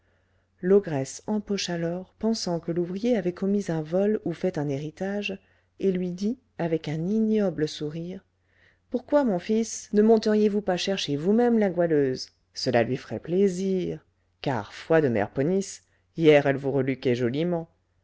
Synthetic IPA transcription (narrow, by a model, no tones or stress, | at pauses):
lɔɡʁɛsɑ̃pɔʃalɔʁpɑ̃sɑ̃kəluvʁijeavɛkɔmizɛ̃vɔlufɛt̪ɛ̃neʁit̪aʒ | elɥid̪i | avɛkɛ̃ninjɔbləsuʁiʁ | puʁkwamɔ̃fisnəmɔ̃t̪əʁjevupaʃɛʁʃevumɛmlaɡwaløz | səla̰lɥifʁɛ̰pleziʁ | ka̰ʁfwad̪əmɛ̰ʁpɔnis | ijɛʁɛlvuʁəlykɛʒɔlimɑ̃